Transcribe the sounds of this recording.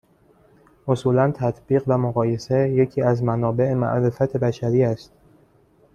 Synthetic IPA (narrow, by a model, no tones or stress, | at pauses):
ʔosuːlænt̪ʰæt̪ʰb̥iːɣvæmoɣɒːje̞seje̞cʰiːæzmænɒːbe̞ʔemæ̰ʔɾe̞fæt̪ʰe̞bæʃæɾiːæst̪